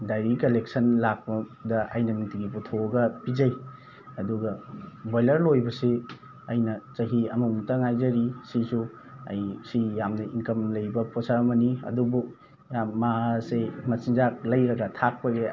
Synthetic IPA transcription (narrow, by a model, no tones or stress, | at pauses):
dajɾikɐlek̚sɐnlak̚pɐdɐa̰jnɐniŋtiɡiputʰoɡɐpid͡ʒɐj | ɐduɡɐbajlɐɾlojbɐse | ɐjnɐt͡ʃɐɦiɐmumtɐŋajzɐɾisisu | ɐ̰jsijamnɐiŋkɐmlɐjbɐposaɾmɐniɐ̰dubuk̚ | jamːasemɐsiŋzak̚lɐjɾɐɡɐtʰak̚pɐɡe